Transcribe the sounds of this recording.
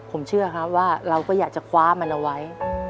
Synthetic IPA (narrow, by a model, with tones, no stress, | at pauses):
pʰo˨˩˦mt͡ɕʰɯ˥˩ɐkʰa˦˥waː˥˩ɾa˧wkɔː˥˩jaː˨˩k̚t͡ɕa˨˩kʰwaː˦˥ma˧nʔa˧wa˦˥j